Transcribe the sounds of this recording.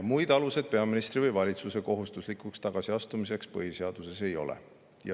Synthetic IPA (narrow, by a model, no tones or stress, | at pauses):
mujd̪̥ɑluse̞d̪̥̚pe̞ɑminist̪rivɤjvɑlʲit̪suse̞ko̞ɦust̪uslikˑukst̪ɑɡ̥ɑsiɑst̪umise̞kspɤ̰ɦise̞ɑd̪̥use̞se̞jo̞̰lḛ | jɑ